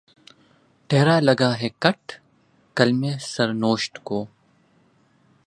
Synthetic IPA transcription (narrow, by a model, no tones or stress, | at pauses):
ʈɛːɾalɐɡaːɦɛkɐʈ | kɐlmẽsɐɾnoːʃʈkoː